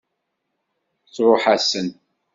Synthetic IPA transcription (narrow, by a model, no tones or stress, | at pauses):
t͡sːɾoħasən